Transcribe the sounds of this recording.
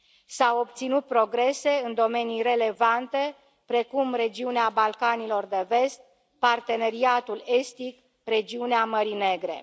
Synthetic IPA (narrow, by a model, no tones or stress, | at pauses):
sawob̚t̪sinut̪̚pɾo̞ɡɾe̞se̞ɨnd̪o̞me̞nijre̞le̞vant̪e̞ | pɾe̞kumre̞d͡ʒiuneabalkanilo̞rd̪e̞ve̞st̪̚ | part̪e̞ne̞ɾiat̪ule̞st̪ik | re̞d͡ʒiuneaməɾine̞ɡɾe̞̰